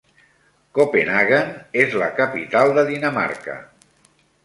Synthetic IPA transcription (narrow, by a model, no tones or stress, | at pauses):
kopenaɣanezləkəpit̪alˠd̪əðinəma̰ɾkə̰